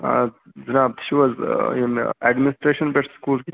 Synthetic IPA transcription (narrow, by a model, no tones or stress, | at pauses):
d͡ʒɐnaːb̚t̪ʃiʋɐzinɛɖmɪnɪsʈɾeːʃənbeʈskuːlki